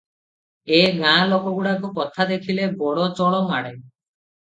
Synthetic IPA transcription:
eɡãlokoɡuɽakukɔt̪ʰad̪ekʰilebɔɽɔt͡ʃɔɭɔmaɽe

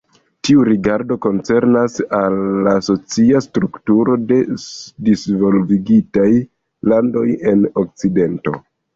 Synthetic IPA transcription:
tiuɾiɡaɾdo̞ko̞nt͡se̞ɾnasalːaso̞t͡siastɾuktuɾo̞de̞disvo̞lviɡitaj | lando̞je̞no̞k̚t͡side̞nto̞̰

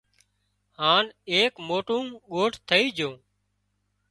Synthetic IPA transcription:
haːneːkmoːʈũːɠoːʈʰt̪ʰəiːd͡ʒʱõː

